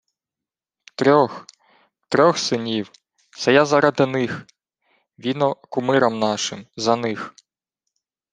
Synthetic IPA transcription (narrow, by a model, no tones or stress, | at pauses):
t̪ɾʲɔx | t̪ɾʲɔxsɪnʲiw | st̪ɐjazɐɾɐd̪ɪnɪx | ʋʲinɔkʊmɪɾɐmnɑʃɪmzɐnɪx